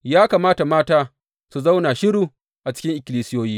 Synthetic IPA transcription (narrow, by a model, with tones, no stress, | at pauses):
jaː˦kaː˨maː˦ta˨maː˦taː˦ | su˨za˦wna˨ʃɪ˦ɽuː˦˨ | ʔa˨t͡ʃɪ̥˦kʲɪ˦ŋʔɪ˨kʲɪ˨liː˦sɪ˦joː˦jiː˦